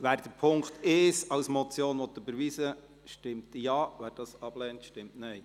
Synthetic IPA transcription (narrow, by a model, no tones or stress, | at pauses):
ʋæːɾd̥əɾpʰʊŋkteːsɑwsmɔt͡sjoːnʋɔt̪ːəbəɾʋiːsə | ʃtɪmtjɑːʋæːɾd̥ɑsɑb̥lɛːntʃtɪmtnɛɪ